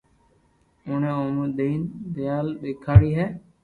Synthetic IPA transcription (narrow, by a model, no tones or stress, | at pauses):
ʊːnẽːoːməɗ̪eːnbɪjaːlɓeːkʰaːɽiːɦɛː